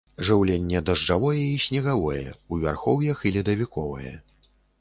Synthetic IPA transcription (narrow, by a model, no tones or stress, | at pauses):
ʐɨwlʲɛnʲːɛd̪ɐʐd͡ʐavɔjɛisʲnʲɛɣavɔjɛ̰uvʲa̰rxɔwjɐxilʲɛd̪ɐvʲikɔvɐ̰jɛ̰